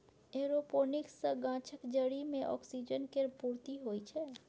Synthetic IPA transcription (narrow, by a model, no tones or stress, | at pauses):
eːɾopoːnɪksəɡãːt͡ʃʰəkd͡ʒəɽimẽʔɔ̰ːksid͡ʒənkeɾpuɾt̪iɦoit͡ʃʰɛ